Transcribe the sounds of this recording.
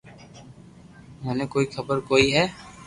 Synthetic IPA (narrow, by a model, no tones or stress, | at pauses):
mɛːnekoːixʰəbəɾkoːiɦɛː